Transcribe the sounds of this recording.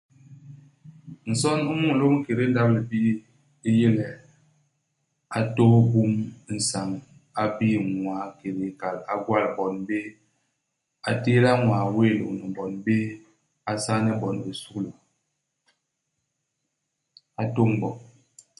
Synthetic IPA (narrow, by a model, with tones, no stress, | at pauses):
n̩˨sɔ˦nu˦mu˦ŋ̩˨lo˦ŋ̩˦ke˨ɾi˦n̩˦da˦bli˨bi˦ | i˦je˦lɛ˨ | a˨to˦bu˦m˦n̩˨sa˨ŋ | a˦bi˦ŋwaː˨ke˨ɾe˨ka˨la˨ɡwa˦˨lbɔ˨nbe˦ | a˨te˦la˦ŋwaː˨we˦˨lo̰˨ni˨bɔ˨nbe˦ | a˦sa˦ŋni˦bɔ˨ne˨su˦klə˨ | a˨to˦m˦bɔ˨